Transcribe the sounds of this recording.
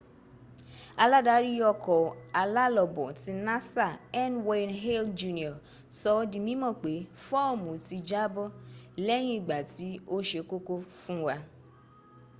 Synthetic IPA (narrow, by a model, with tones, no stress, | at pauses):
a˧la˦da˨˦ɾi˦jɔ˧kɔ˨a˨la˦lɔ˨bɔ˨ti˧na˦sa˦˨ɛ˦nwe˧˨nɦe˦ld͡ʒu˦ni˨ɔ˨ | sɔ˧ɔ˧di˨mĩ˦mɔ̃˦˨k͡pe˨˦fɔ˦˨mũ˨ti˧d͡ʒa˦bɔ˦lɛ˦j̃ĩ˦i˨ɡ͡ba˨ti˨˦o˦ʃe˧˦ko˦ko˦fũ˦wa˧